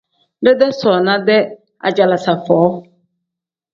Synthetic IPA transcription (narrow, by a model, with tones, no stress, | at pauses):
dɪ˦dɛ˦sɔ˨nã˦dɛ˦ | a̰˨d͡ʑa˨la˨sa˨fɔː˨˦